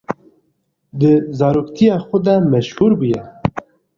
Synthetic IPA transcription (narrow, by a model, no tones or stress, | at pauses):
d̪əzɑːɾuːkt̪ʰijɑːxʊd̪ɛmɛʃhuːɾbujɛ